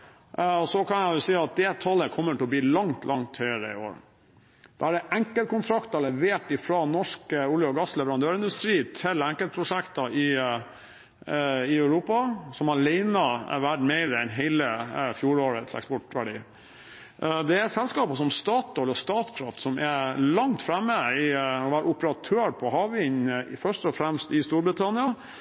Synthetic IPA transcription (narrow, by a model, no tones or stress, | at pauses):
ɔsɔkʰɑnjæjʊsiːɑt̪̚d̪ɛt̪ʰɑlːəkʰɔmːəʈʰɛlɔb̪iːlɑŋt̪ʰlʔɑŋt̪hœʏəɾə̰ɪ̰o̰ːɾ | d̪̥ɑːæɖɛʔæŋkəlt̪kʊnt̪ʰɾɑkt̪ɑlɛʋeːʈɪfɾɑnɔʂkəʊljɔɡɑslɛʋəɾɑnd̪øːɾɪnd̪ʉst̪ɾiːt̪ʰɪlæŋkəl̚pʰɾʊʂækt̪ɑʔɪ | ɪœʉɾuːpɑsɔmhɑɭeɪnɑʋæʈmɛɪɾəɛnɦɛɪləfjuːɾoːɾət̪sɛ̰kspɔʈʋæɖiː | d̪ɛæsɛlskɑːpɑsɔmst̪ɑːt̪ɔlɔst̪ɑːt̪kʰɾɑft̪sɔmʔɛlɑŋt̪fɾɛmːəɪɔʋæːɾəʊpəɾɑt̪ʰøːɾpʰɔhɑːʋɪnfœʂʈɔfɾæmst̪ɪst̪uːɾbɾɪt̪ʰɑnɪɑ